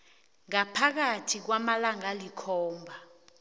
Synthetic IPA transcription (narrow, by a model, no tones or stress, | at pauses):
ŋapʰak̬atʰik̬wamalaŋalikʰɔːmbʱa